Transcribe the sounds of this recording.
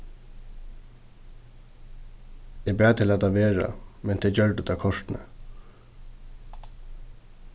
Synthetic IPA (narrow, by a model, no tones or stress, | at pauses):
ɪpɾæːt̪ʰɪlat̪ʰaʋeːɹa̰mɛnt̪ʰɛt͡ɕœɹʈ̪ət̪ʰaːkʰɔʂt̪nə̰